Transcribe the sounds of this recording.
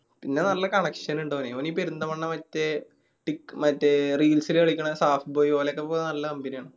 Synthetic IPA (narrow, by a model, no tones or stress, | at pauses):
pinːe̞nɐlːɐkɐɳɐkʂɐnuɳɖoɐneoːniːpeɾund̪ɐmɐɳːɐmɐtːe | ʈikːmɐtːeriːlsileɐɭikʲːɐɳɐsaːfboːjipoːleokːepːoːnɐlːɐkɐmbinijaːɳɨ